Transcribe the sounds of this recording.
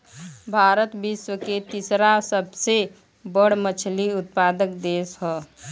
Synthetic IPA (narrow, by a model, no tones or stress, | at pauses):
bʱaːɾət̪biswəket̪isɾasəbse | bəɽ̤mət͡ʃʰliʊt̪̚paːd̪əkd̪eːsɦɔ